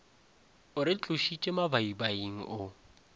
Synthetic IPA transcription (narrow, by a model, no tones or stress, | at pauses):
ʊɾɪt͡ɬʼʊʃit͡ʃʼɪmabaibaiŋ̩ʔʊ